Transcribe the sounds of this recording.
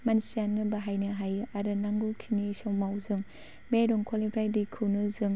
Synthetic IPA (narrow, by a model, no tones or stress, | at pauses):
mansijanɡɯbaɦajnɯɦajaɾɯnaŋɡukʰinisawmawzɯŋ | beɾuŋkʰɔlebʰɾajdikʰɯnɯzɯŋ